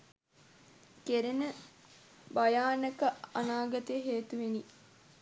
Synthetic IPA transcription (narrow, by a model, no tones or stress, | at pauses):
keɾenə | bajaːnəkəanaːɡɐt̪əjəɦeːt̪uʋeni